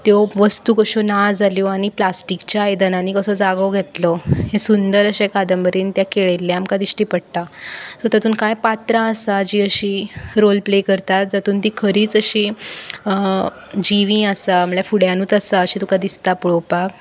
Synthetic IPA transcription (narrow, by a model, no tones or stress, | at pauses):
t̪joʋəst̪uːkəɕonad͡zaljoaɽ̃iplasʈikt͡ɕaajd̪ənañikəsɔd͡zaɡəʋɡʱet̪lɔhẽsund̪əɾəɕekad̪əmbəɾiːnt̪jakeɭelːeamkad̪iɕʈiːpəɽt̪asɔt̪at̪uːnkajpat̪ɾaəsad͡ʑiːəɕiːɾolplekəɾt̪at̪̚d͡zat̪uːnt̪ikʰəɾiːt͡səɕi | d͡ʑiʋĩəsaam̤ɭjafuɽjãnuːt͡s̪əsaəɕit̪ukad̪ist̪apuɭopak